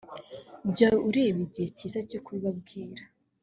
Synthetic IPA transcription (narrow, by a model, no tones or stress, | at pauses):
bɟauɾeːβiiɟiheciːzacokuiβab̚ɡiːɾa